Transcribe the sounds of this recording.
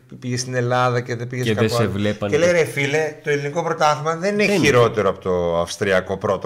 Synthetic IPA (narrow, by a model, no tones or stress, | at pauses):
piʝest̪ine̞lɐðɐce̞ðepiʝeskɐesevleɐeleɾefilet̪oeliniko̞pɾo̞t̪ɐθmɐðe̞nineçiɾo̞t̪e̞ɾoɐpo̞t̪o̞ɐfst̪ɾiɐko̞pɾo̞t̪o